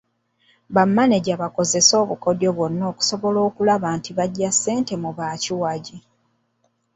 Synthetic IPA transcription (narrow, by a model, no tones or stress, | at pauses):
βamːaneɟaβako̞ze̞so̞ːβuko̞djo̞βwo̞nːo̞ːku̥so̞βo̞lo̞ːkulaβaːntiβaɟːasːe̞ːnte̞muβaːciwaɟi